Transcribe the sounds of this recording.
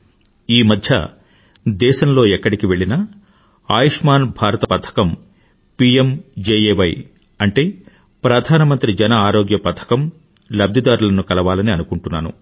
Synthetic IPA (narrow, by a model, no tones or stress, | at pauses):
iːmɐd̪ʱjɐ̰ | d̪ɛːʃɐmlo̞ːɛkːɐɽikiʋe̞ɭinɐ | aːjiʂmaːnbʱaːɾɐt̪ɐpɐt̪ʰɐ̥kɐm | piemd͡ʒeːjeːʋɐj | ɐɳʈe̞ː | pɾɐd̪ʱaːnɐmɐnt̪ɾid͡ʒɛnɐaːɾoːɡjɐpɐt̪ʰɐ̥kɐm | lɐb̚d̪ʱid̪aːɾulɐnukɐlɐʋaːlɐniɐnukuɳʈunːa̰ːnṵ